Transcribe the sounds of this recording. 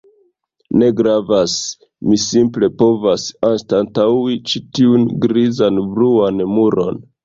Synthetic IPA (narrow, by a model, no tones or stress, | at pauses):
ne̞ɡɾavas | misimple̞po̞vasanstantawit͡ʃitiunɡɾizanbɾuanmuɾo̞n